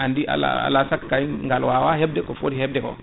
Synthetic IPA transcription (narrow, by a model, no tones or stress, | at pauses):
andiʔa̰la̰a̰lasakkːajiŋɡalwawaɦeb̚dekofo̰diheb̚deko̰